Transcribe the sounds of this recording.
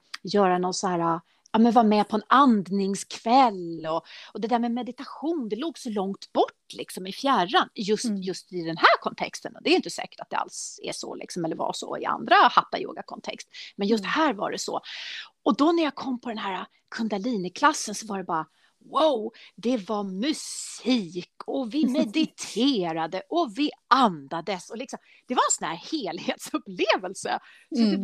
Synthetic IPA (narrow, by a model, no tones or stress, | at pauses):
jœːɾanɔnsɔhæːɾa | ɑmɛnvaɾmɛpʰɔɛnand̪nɪŋskʰv̥ɛlːɔɔd̪ɛd̪æːɾmɛmɛd̪ɪt̪aɧuːnd̪ɛloːɡsɔlɔŋt̪bɔʈːlɪksɔmɪfjæranjɵst̪jɵst̪ɪd̪ɛnhæːɾkʰɔnt̪ʰɛ̰kst̪ənd̪ɛːjʏɪnt̪əsɛ̰ːkə̥ʈat̪̚d̪ɛ̰a̰lsɛ̰ʂɔ̰lɪ̰ksɔmɛlːəɾva̰ʂɔ̰ɪ̰a̰nd̪ɾahat̪ːajo̰ːɡakʰɔnt̪ʰɛ̰kst̪mɛnjɵst̪hæːɾva̰ɖɛsɔ̰ɔd̪ɔnæɾjakʰɔmːpʰɔd̪ɛnɦæːɾa | kʰɵnd̪aliːnɪkʰlasːənsɔvaɖɛbɑːɾa | waʊd̪ɛvamɵsiːkʰɔvɪmɛd̪ɪt̪ʰeːɾad̪əʔɔvɪʔand̪ad̪əsɔlɪksɔm | d̪̥ɛvaɾɛnsɔnhæːɾheːlheːt̪sɵpːleːvəlsə̰ | sɔd̪ɛ